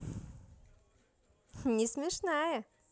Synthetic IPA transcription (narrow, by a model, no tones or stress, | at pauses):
nʲɪsmʲɪʂnajə